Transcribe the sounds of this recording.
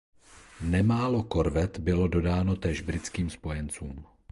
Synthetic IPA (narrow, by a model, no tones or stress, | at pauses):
nɛmaːlo̞ko̞ɾvɛt̪bɪlo̞do̞daːno̞t̪ɛːʒbɾɪt͡skiːmspo̞jɛnt͡suːm